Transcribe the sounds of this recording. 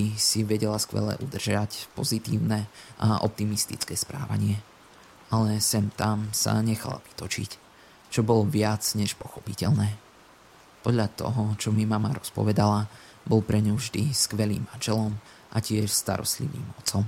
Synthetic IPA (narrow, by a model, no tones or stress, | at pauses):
isiʋɛɟɛlaskʋɛ̰lɛ̰ʔud̪r̩ʒacpɔzit̪iːʊnɛʔaʔɔ̰p̚t̪imist̪it͡skɛːspɾa̰ːʋa̰ɲɪɛ | alɛsɛmt̪amsa̰ɲɛxa̰la̰ʋi̥t̪ɔt͡ʃḭc | t͡ʃɔbɔlʋɪad͡zɲɛʃpɔxɔpicɛʎnɛː | pɔd̪ʎat̪ɔ̰ɦɔt͡ʃɔmimamaɾɔspɔ̰ʋɛd̪ala | bɔlpɾɛɲuvʒd̪iskʋɛliːmːanʒɛlɔm | ʔacɪɛʃst̪a̰ɾɔ̰st̪lḭʋḭːmɔt͡sɔm